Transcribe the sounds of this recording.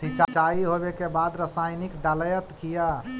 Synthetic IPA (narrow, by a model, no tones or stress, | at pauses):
sit͡ʃat͡ʃaiɦobekebad̪ɾəsajnikɖaləjət̪kija